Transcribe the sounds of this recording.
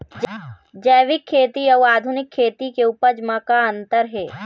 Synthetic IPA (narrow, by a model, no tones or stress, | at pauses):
d͡ʒɛːʋɪkʰːeːt̪iɐʋaːd̪ʱʊnɪkʰːeːt̪ikeupəɾd͡ʒmakaə̃nt̪əɾɦɛː